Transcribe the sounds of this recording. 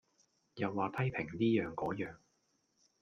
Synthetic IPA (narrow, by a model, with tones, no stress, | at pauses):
jɐ˨wːaː˨p̪ʰɐ˥jpʰɪ˨˩ŋliː˥jœː˨ŋkɔː˨˥jœː˨ŋ